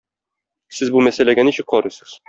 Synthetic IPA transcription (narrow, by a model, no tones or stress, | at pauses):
sɘzbumæsælæɡæniɕɘk̚qɒɾɤsɤ̥z̥